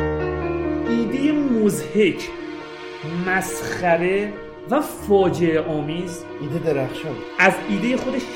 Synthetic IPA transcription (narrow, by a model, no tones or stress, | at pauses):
ʔiːd̪ejemozhecʰ | mæsxæɾe | væfɒːd͡ʒe̞eʔɒːmiːz | ʔiːd̪ed̪eɾæxʃɒn | æziːd̪e̞jexo̞d̪eʃ